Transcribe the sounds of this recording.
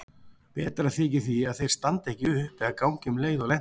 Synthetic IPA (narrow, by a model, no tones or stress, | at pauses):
pɛːt̪ɾaθɪːcɪθiaðθejɾ̥st̪ant̪ɛhcɪʏpɛðakaːwɲcʏmleːjðɔlɛn